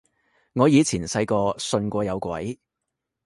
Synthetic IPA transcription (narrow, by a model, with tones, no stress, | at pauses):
ŋɔː˨˧jiː˨˧t͡sʰiː˨˩nsɐ˧jkɔː˧sɵ˧nkʷɔː˧jɐ˨˧wkwɐ̰˨˥j